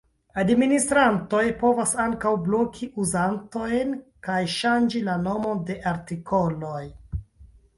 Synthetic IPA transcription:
administɾanto̞jpo̞vasaŋkawblo̞kʰiʔuzanto̞jnkajʃand͡ʒilano̞mo̞de̞ʔaɾtikʰo̞lo̞j

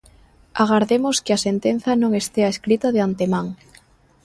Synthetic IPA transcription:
aɣ̞aɾðemoskeasent̪en̟θɐnõŋest̪eaeskɾit̪aðeant̪emaŋ

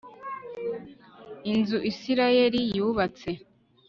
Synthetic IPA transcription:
inzuʔisiɾaje̞ɾijuːβat͡se̞

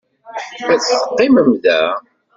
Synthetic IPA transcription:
mæt͡sːəqːɪməmðæ

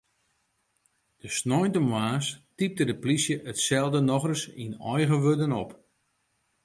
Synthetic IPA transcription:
d̥əsnɔjntəmwaːstip̚dədəplisjəʔətsɛlˠdənɔχrəsinɔjɣəʋødənɔp

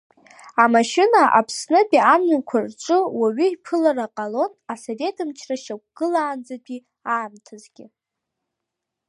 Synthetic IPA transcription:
amaʃɪnaʔa̰pʰsnɨpʼiamakʷʰarʈ͡ʂʷʼɨwaɥʏjpʰɨlaraqʼalo̞nasave̞tʰɨmt͡ʃʰraʃak̚ʷɡ̥ɨlaːnd͡zapʷʼi | aːmtʰazɡʲɪ

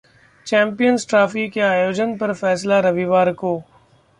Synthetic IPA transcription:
t͡ʃɛ̃ːmpijənsʈɾaːfikeaːjoːd͡ʒənpɐɾfɛːslaɾɐʋiʋaːɾkoː

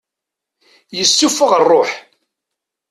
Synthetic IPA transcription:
jəsːufəʁərˤːoħ

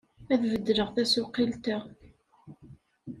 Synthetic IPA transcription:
æθvəd̪ːɾəʁθæsʊqːilt̪æ

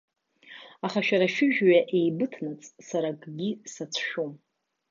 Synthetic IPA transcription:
aχaʃᶣaɾaʃᶣɪʒᶣɥaʔe̞jbɨtʰnɨt͡sʼsaɾakʼɡʲisat͡sʷʰʃᶣum

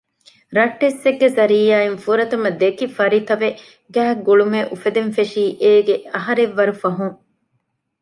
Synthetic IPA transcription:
ɾɐʈːesːeɡːezɐɾiːjaːenfuɾɐt̪ɐmɐd̪ekifɐɾit̪ɐʋe | ɡæːɡuɭumeʔufed̪enfeʂiːʔeːɡeɐɦɐɾeʋːɐɾufɐɦuŋ

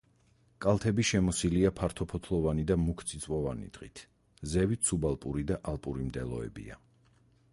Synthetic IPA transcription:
kʼalˠt̪ʰɛbiʃɛmɔsiliapʰaɾt̪ʰɔpʰɔt̪ʰlˠɔvanid̪amukʰt̪sʰʼit̪sʼvɔvanḭd̪̥ʁḭt̪ʰ | zɛvit̪sʰubalˠpʼuɾid̪aʔalˠpʼuɾimd̪ɛ̰lˠɔ̰ɛ̰bḭa̰

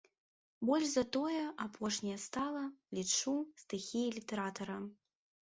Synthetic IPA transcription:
bɔlʲʐzɐt̪ɔjɛʔapʰɔʂnʲɐjɐst̪alˠɐlʲit͡ʂust̪ɨxʲijilʲit̪ɛɾat̪ɐɾɐ

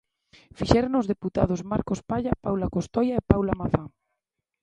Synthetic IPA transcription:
fiʃɛɾonozðeput̪a̰ð̞ozmaɾkospaʎapawlakost̪ɔjaepawlamaθa

